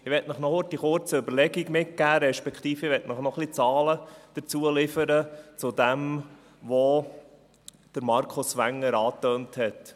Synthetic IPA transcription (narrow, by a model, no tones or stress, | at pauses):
ɪʋɛtnəχnɔtiχʊɾt͡səʏbəɾlɛɡiɡmɪt̚kæːɾɛʃpɛkχt̪iːfəʋɛtnəχnɔχlit͡sɑːləd̥əɾt͡suəlɪfəɾət͡sʊd̪ɛm | ʋo | d̥əɾmɑɾkʰʊsʋæŋːəɾɑːtøːnthɛt